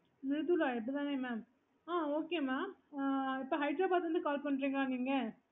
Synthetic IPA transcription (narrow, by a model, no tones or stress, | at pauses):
nɪɾɯt̪ulaːɪpːɽit̪ãːneːmaːm | aːoːkeːmaːmɪpːoːɦɐɪʈɾoːbaːt̪ʋɐnd̪ɯkaːlpɐɳːɾiːŋɡɭaːnɡiːŋɡɐ